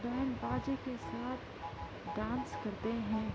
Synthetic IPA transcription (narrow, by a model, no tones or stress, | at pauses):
d̪əɦnbaːd͡ʒekesaːt̪ʰ | ɖãːnskɐɾt̪eɦɛ̃ː